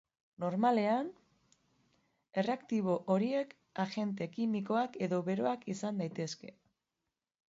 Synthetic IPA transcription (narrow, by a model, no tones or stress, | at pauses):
no̞ɾmale̞an | e̞reakt̪iβ̞o̞ʔoɾie̞k | aʝe̞nt̪̬e̞kimiko̞ake̞ðo̞βe̞ɾo̞akisand̪ajt̪e̞ske̞